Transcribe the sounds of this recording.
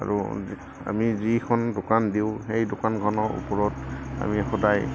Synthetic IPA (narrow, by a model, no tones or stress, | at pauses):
a̰ɹṵ | a̰mizikʰɔndʊkandiʊxejdʊkanɡʰʱɔnɔṵpɔɹɔta̰mixɔdaj